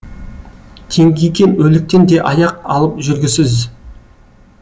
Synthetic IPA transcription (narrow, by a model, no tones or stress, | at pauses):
t̪ʰe̞ŋɡʲejkʲe̞nwɵlɪk̚t̪e̞nd̪e̞ʔɑjɑqɑlˠəpʒʏɾɡʲɪsɪz